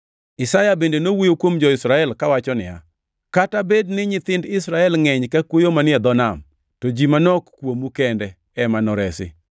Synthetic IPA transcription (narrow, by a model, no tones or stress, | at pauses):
ɪsajabendenowijokwomd͡ʒɔɪsɾaɛlkawat͡ʃɔnɪja̰ | katabednɪɲɪt̪ɪndɪsɾaɛlŋɛɲkakwojomanɪɛd̪ɔnam | tod͡ʒimanɔkːwomukɛndɛ | ɛmanɔɾɛsɪ̰